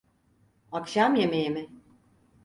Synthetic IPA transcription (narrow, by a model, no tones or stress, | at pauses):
akʃamjemejemɪ